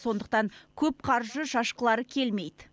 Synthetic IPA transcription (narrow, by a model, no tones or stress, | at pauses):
so̞nd̪əq̚t̪ɑŋkʲʰɵp̚qʰɑɾʒəʃɑʃqəlˠɑɾəkʲʰe̞lme̞jd̪ɪ